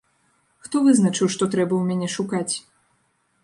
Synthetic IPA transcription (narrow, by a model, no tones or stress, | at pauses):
xt̪ɔvɨznɐt͡ʂɨwʂt̪ɔt̪ɾɛbɐwmʲanʲɛʂukat͡sʲ